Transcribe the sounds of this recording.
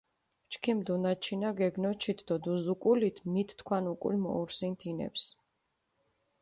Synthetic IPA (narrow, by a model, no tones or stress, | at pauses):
t͡ʃʰkʰimd̪unat͡ʃʰinaɡɛɡnɔt͡ʃʰit̪ʰd̪̥ɔd̪uzukʼulit̪ʰmit̪ʰt̪ʰkʰwanukʼṵlmɔ̰uɾsint̪ʰinɛ̰ps